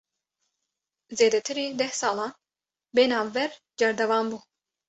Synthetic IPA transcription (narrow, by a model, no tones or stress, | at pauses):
zeːd̪ɛt̪ʰɨɾiːd̪ɛhsɑːlɑːn | beːnɑːvːɛɾ | d͡ʒɛɾd̪ɛvɑːmbuː